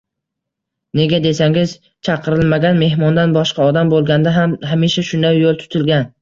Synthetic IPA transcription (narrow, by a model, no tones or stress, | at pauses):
ne̞ɡʲad̪e̞saŋɪz | t͡ʃʰɑqʰɨɾɪlmaɡʲanme̞hmɒnd̪anbɒʃqɑɒd̪ambolˠɡʲand̪aɦamɦamiʃaʃʊnd̪awjolˠt̪ʰʊ̥t̪ʰɪlɡʲan